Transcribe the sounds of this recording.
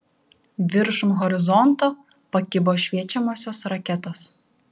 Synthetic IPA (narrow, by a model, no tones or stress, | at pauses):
ʋʲɪɾʃʊmɣɔɾʲɪzɔnt̪oː | pɐkʲɪboːʃʲʋʲiɛt͡ʃʲɛmoːsʲoːsɾɐkʲɛt̪oːs